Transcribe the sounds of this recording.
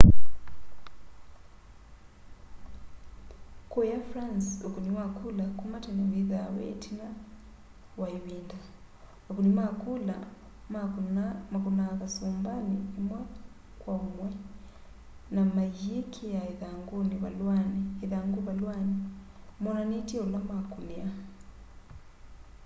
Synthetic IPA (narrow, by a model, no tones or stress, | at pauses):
kujafɾansukuniwakʰulakumataniβiðawɛ̰tʰina | waiβinda | wakunimakula | mamakunakasumbaniɛmwa | kwaumwɛ | namajikʰijaiðaŋɡuniβalwaniiðaŋɡuβalwanimɔnanitiɔlɔmakunia